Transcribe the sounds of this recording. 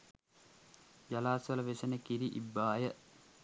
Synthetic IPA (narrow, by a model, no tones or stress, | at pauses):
d͡ʒɐlaːsɐlɐʋesɐnɐkiɾiʔḭbːaːjɐʔ